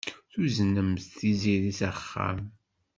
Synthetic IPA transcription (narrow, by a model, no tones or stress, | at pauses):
θuzənəmθθiziɾisəχːa̰m